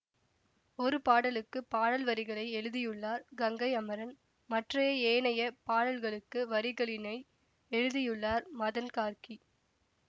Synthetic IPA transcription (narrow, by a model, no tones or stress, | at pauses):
ɔɾɯpaːɽɐlɯkːɯpːaːɽɐlʋɐɾɪɣɐɭɐɪɛɻɯðɪjɯɭːaːɾɡɐŋɡɐɪɐmɐɾɐn | mɐʈrɐjeeːnɐjɐpaːɽɐlɣɐɭɯkːɯʋɐɾɪɣɐɭɪnɐɪ | ɛɻɯðɪjɯɭːaːɾmɐðɐnkaːɾki